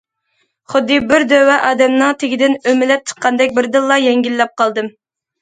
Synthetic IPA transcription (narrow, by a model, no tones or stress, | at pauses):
χʊd̪ːɨbɪɾd̪øwɛʔɑːd̪ɛmnɨŋt̪ʰeɡʲɪd̪ɪnømɪlɛp̚t͡ʃ̪ʰə̥t̪̚qʰɑnd̪ɛk̚ʲbɪɾd̪ɨlˠːɑjɛŋɡʲilːɛp̚qɑlˠd̪ɨm